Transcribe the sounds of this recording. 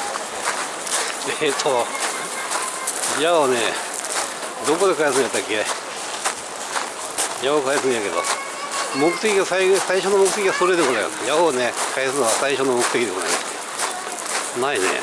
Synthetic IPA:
et̪ʰo | jaone | d̪o̞kod̪e̞kajesɨ̃nɡjat̪ːakʲiea | jaokajasɨ̃njake̞d̪o̰ | mokɯ̟t̪ekʲiɡasaisaiɕonːomo̞kɯ̟e̞kʲiɡasoɾed̪ekonajo̰jaone̞kʰajasɨnoβasaiɕonomo̞kɯ̟t̪ekʲid̪ekoaḭkːe | nainḛ

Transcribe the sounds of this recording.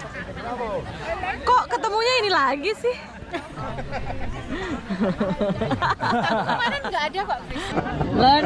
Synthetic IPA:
kɔʔkət̪əmuɲainilaɡisɪh | manɛnŋɡaːdapaʔ | lə

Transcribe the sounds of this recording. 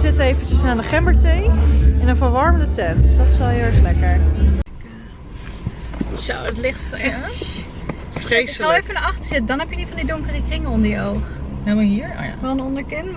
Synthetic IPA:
zɪtəejvəntəsaːndəχɛmbəɹtejɛnənvəɹʋɑɹmədətɛntdɑtsɑlˠɦɪːlˠɛɹχlɛjkaɹnənɪkː | sɔwətlɪχtɛ | frejsˠɛfənəɑχtəɹsɪtədɑnɦɛpjədifɑndidʊŋkərəkrɪŋəɔndəɹjəowχɛmɔɦiːəɹʋɛlˠənɔndəɹkɪn

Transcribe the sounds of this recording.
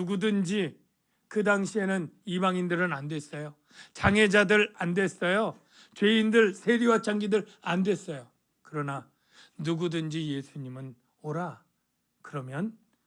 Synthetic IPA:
uɡudɯnd͡ʑi | kɯdaŋɕʰie̞nɯnibaŋindɯɾɯnandwe̞s͈ʌjo | t͡ɕaŋɦe̞d͡ʑadɯɾandwe̞s͈ʌjo | t͡ɕwe̞indɯɭsʰe̞ɾiwat͡ɕ͈ʰaŋɡidɯɾandwe̞s͈ʌjo | kɯɾʌna | nuɡudɯnd͡ʑije̞sʰuɲimɯn | oɾa | kɯɾʌmjʌn

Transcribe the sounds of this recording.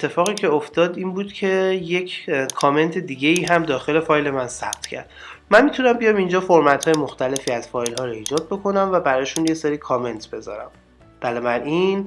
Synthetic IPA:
et̪ʰːe̞fɒːɣiːcʰeoft̪ɒːd̪iːnbuːd̪̥cʰe̞je̞cʰkʰɒːme̞nt̪ʰe̞d̪iːɟe̞iːɦæmd̪ɒːxe̞le̞fɒːjle̞mænsæ̰b̥̚t̪ʰcʰæ̰ɾd̪̥mænmit̪ʰunæmbijɒːmind͡ʒɒːfoɾmæt̪ʰhɒːjemo̞xt̪ʰæle̞fiːæz̥fɒːjlɦɒːɾoiːd͡ʒɒːd̪̚bo̞kʰo̞næmvæbæɾɒːʃunjeseɾiːkʰɒːme̞nt̪ʰbe̞zɒ̰ːɾæ̰m | b̥ælɒmæɾin

